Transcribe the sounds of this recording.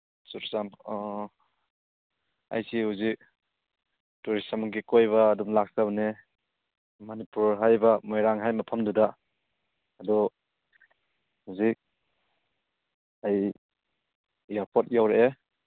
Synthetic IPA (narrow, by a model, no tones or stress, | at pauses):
suɾsam | a̰jsihuzik̚ | tuɾisamɡikojβaːdumlak̚sabne | manipuɾɦajbamɔjɾaŋɦajmapʰamdudaː | dɔ | huzik̚ | aj | jaɾpʰɔt̚jawɾee